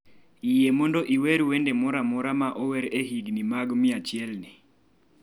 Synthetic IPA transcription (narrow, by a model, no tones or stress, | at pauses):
ijemɔndɔʔiwɛɾuwɛndɛmɔɾamɔɾamaʔɔwɛɾeɦiɡnimaɡmɪat͡ʃjɛlnɪ